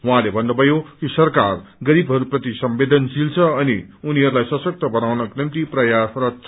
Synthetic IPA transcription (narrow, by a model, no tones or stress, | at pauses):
wuɦãlebʱʌnːʌbʱʌjokisʌrkarɡʌɾibʱɦʌɾuprʌt̪isʌmbed̪ʌnsilt͡sʰʌːnḭuniɦʌɾulajsʌsʌk̚t̪ʌbʌnawnʌknʌmt̪iprʌjasrʌt͡sʰ